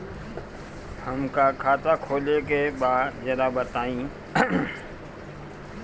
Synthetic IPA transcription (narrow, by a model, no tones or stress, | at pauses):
həmkakʰaːt̪akʰoːlekebaːd̪d͡ʒɐɾabət̪aːĩː